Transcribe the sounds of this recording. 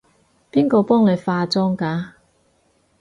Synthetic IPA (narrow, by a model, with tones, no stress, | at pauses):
piː˥nkɔː˧pɔː˥ŋle˨˧jfaː˧t͡sɔː˥ŋkaː˨˧